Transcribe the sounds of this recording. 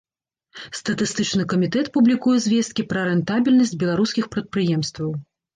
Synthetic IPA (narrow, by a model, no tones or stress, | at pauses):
st̪ɐt̪ɨst̪ɨt͡ʂnɨkɐmʲit̪ɛt̪publʲikujɛzʲvʲɛst̪̚kʲipɾɐɾɛnt̪abʲilʲnɐsʲd͡zʲbʲɛlˠaɾuskʲixpɾɐt̪̚pɾɨjɛmst̪vɐw